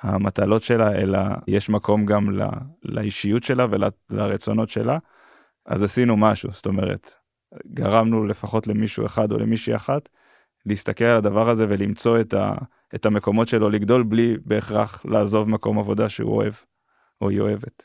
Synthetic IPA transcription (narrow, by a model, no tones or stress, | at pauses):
hamat̪alo̞tʃe̞laḛla̰jeʃmako̞mɡamla̰la̰iʃijutʃe̞lavelalaʁet͡so̞no̞tʃe̞la | a̰zasinumaʃṵst̪o̞me̞ʁḛt̪ | ɡaʁamnule̞faχo̞tle̞miʃueχad̪o̞̰lḛmiʃuaχat | leist̪ake̞lalad̪avaʁaze̞ve̞limt͡so̞eta̰ | etame̞ko̞mo̞tʃe̞lo̞liɡd̪o̞lblibe̞ːχʁaχlaːzo̞vmako̞mavo̞daʃeṵo̰e̞v | oḭo̞̰e̞vet